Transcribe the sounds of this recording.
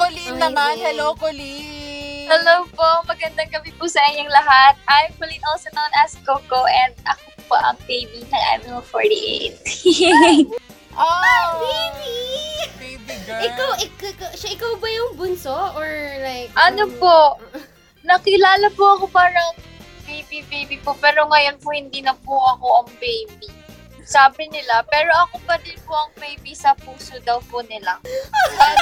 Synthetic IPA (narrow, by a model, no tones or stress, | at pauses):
kolit̪ɐnanhɐlowpoli | hɐlowpoʔmɐɡɐnd̪ɐŋɡɐbipʊsɐʔɪɲːoŋlɐɦat̪̚ʔajmkolinosɐnonɐskokoʔɛnd̪̚ʔɐkopo̰ʔɐ̰ŋpejbinɐŋʔa̰mɪlfoɹt̪ḭʔḛjt̪̚ | ʔopebi | biʔɪkawʔɪkkʃaʔɪkawbɐjʊŋbʊnsoʔoɹlajkʔɐnopo̞ | nɐkɪlaːlɐpoʔɐko̞paːɾɐŋbejbibejbipopɛːɾo̞ŋɐjo̞npohɪnd̪iːnɐpuʔɐko̞ʔɐŋbejbi | saːbɪnɪlapɛːɾo̞ʔɐkobɐd̪ɪnpoʔɐŋbejbisɐpuːsod̪ɐwpʊnɪla